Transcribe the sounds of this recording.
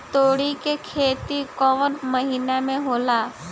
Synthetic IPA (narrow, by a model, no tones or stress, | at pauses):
t̪oːɽikekʰeːt̪ikɔʋənməɦiːnemẽɦoːlaː